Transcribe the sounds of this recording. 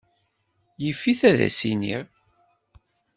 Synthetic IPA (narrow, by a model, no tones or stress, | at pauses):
jəfːiθæðæ̰sinḭʁ